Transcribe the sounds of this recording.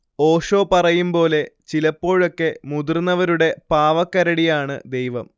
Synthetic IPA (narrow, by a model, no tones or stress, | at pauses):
o̞ːʂo̞ːpɐrɐjumpo̞ːle̞t͡ɕilɐpːo̞ːɻo̞kːe̞mud̪urnːɐʋɐɾuɽe̞paːʋɐkːɐɾɐɽijaːɳɨ̰d̪e̞jʋɐm